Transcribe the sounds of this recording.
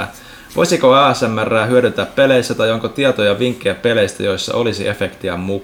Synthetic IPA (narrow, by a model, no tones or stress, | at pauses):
ʋʔo̞̰jsikoæːesæmːærːæːɦyøɾyt̪æppe̞lejsːæt̪ɑjoŋkot̪iɑt̪ojɑʋiŋkːejæpe̞lejst̪æ̰jojsːɑ̰ʔo̞lisiʔe̞fekt̪iæmu